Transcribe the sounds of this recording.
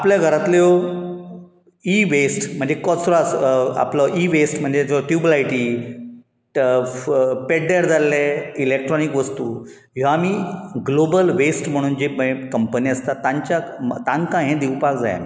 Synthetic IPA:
apljaɡʱəɾat̪leo | iʋesʈm̤əɳd͡zekɔsɾɔsa̰plɔʔiʋesʈm̤əɳd͡zed͡ʑʈjubəlajʈiː | peɖɖɛɾd͡zalːeilek̚ʈɾɔnikʋəst̪uː | ɦoamiːɡlobəlʋesʈm̤əɽ̃uːnd͡ʑemkəmpəniəst̪at̪ãɲt͡ɕat̪ãŋkãɦẽd̪iʋpakd͡za̰j̰

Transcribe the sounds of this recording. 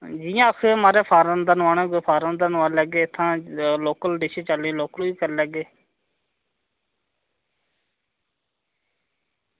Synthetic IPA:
d͡ʒiːjãːkʰmaːɾeːpʰaːɾãnd̪ənʋaːnẽːɡopʰaːɾãnd̪ənʋaːlɛːɡeːt̪ʰːãːloːkəlɖɪʃẽːt͡ʃəlːẽːloːkloiːkəɾlɛːɡeː

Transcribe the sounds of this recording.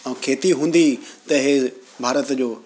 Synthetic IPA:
ɛ̃ũkʰeːt̪iɦũːn̆d̪it̪ɐɦɪbʱaːɾət̪d͡ʑoː

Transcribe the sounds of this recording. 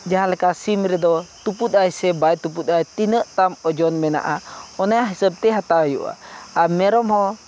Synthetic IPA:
d͡ʒaɦãlɛkasimɾɛd̪ɔt̪uput̪̚ˀajsɛbajt̪up̬ut̪̚ˀajt̪inəʔt̪amɔd͡ʒɔnmɛna̰ʔaɔnajaɦisəb̚t̪ɛɦat̪ajṵʔa̰amɛɾɔmhɔ̃

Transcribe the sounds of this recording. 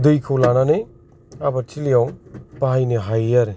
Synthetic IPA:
dujkʰɯwlananej | abatʰilijawpaɦajneɦajaɾe

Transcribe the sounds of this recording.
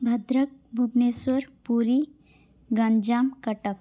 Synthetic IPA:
bʱɐd̪ɾək̚bʱubneswəɾpuɾi | ɡand͡ʒamkɐʈək

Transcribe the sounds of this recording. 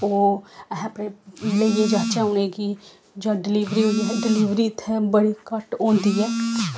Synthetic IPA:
oːɦɛ̃pɾeleːjed͡ʒaːt͡ʃaɦoneɡi | d͡ʒãːɖɪliːʋɾiɦoiɦɛɖɪliːʋɾiɪt̪ʰːebəɽikəʈõːnd̪iːɦɛː

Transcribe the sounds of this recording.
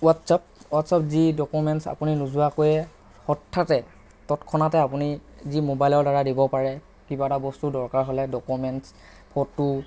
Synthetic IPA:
watsap̚watsapzidɔkumɛntsa̰puninuzuwakojɛ | xɔtʰːatɛ | tɔtkʰɔnatɛapunizimobajlɔɹdaɹadibɔpaɹɛ | kibatabɔstudɔɹkaɹɦolɛdɔkumɛns | pʰɔtːu

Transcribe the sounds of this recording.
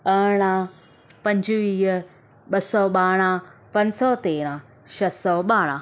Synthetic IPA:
ɐːɽ̃ã | pɐ̃ɲd͡ʑʋiːɦ | ɓɐsɔɓaːɽ̃ãpɐɲsɔt̪eːɾ̃ãː | ʃɐsɔːɓaːɽ̃ãː

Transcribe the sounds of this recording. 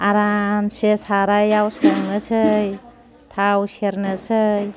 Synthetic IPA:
aɾamsesaɾajawspɔŋnɯsʰɯj | t̪ʰawseɾnɯsʰɯj

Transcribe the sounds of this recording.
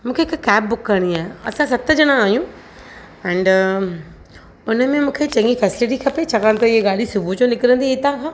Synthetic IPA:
mũːkʰeɪkːɛːb̚bʊkːɐɾɽ̃iaːɦeɐ̰sãs̬ɐt̪ə̆d͡ʑɐɽ̃ãaːijũ | ɛ̃ːɳɖ | ʊnəmẽmũːkʰet͡ɕɐ̃ŋɡifɛːsɪlɪʈ̬ikʰɐpet͡ɕʰɐkãt̪ɐɪɦeɡaːɽ̤isʊbʱud͡ʑonɪkɪɾə̃nd̪it̪ãkʰãː

